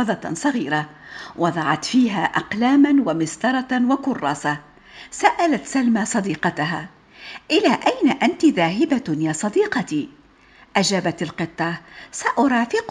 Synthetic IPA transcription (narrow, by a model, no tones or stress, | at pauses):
ɑðˤɑsˤɑɣiːɾawɑðˤɑʕɑt̪fiːɦaːʔɑqlaːmanwamɪst̪ɑɾˤɑwakʊrˤːɑːsa | saʔalat̪salmaːsˤɑd̪iːqɑt̪aɦaː | ʔɪlaːʔajnaʔant̪iðaːɦɪbajaːsˤɑd̪iːqɑt̪i | ʔad͡ʒaːbat̪alqɨt̪ˤːɑsaʔʊɾˤɑːfɪq